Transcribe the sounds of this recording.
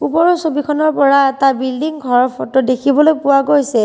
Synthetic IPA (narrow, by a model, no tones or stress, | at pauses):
upɔɹɔsobikʰɔnɔɹpɔɹaɛtabildiŋɡʱɔɹɔɹpʰɔtɔdekʰibɔlojpʊwaɡojsɛ